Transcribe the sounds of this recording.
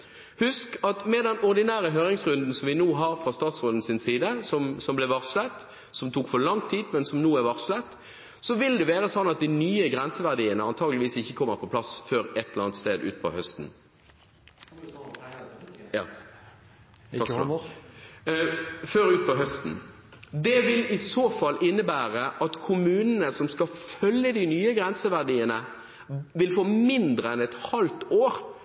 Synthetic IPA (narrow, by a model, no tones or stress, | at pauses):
hʉskɑt̪mɛd̪ɛnɔʁd̪ɪnæːɾəɦøːɾʁɪŋsʁʉnd̪n̩sɔmʋɪnuːɦɑɾfɾʁɑst̪ɑːt̪sʁod̪n̩sɪnsiːd̪əsɔmsɔmblɛʋɑʁslət̪ | sɔmt̪ʰuːkfɔʁlɑŋt̪ʰiːd̪mɛnsɔmnuːæʋɑʁslət̪ | sɔʋɪld̪ɛʋeːɾəsɔnːɑt̪̚d̪ɪnyːəɡʁɛnsəʋæʁd̪iːənəɑnt̪ʰɑːɡlɪʋiːsɪçːəkʰɔmːəʁpʰɔpʰlɑsføːɾɛt̪ːɛləʁɑnt̪st̪eːd̪ʉ̰ːt̪pʰɔ̰hœst̪n̩ | jɑ̰ː | ɑks | føːɾʉːt̪̚pɔɦœst̪n̩ | d̪ɛʋɪlɪsoːfɑlːɪnːəbæːʁəʔɑt̪kʰʊmʉːnənəsɔmskɑfœljəd̪ɪnyːəɡʁɛnsəʋæʁd̪iːənə | ʋɪlfoːmɪnd̪ʁəɛnɛt̪hɑlt̪oːɾ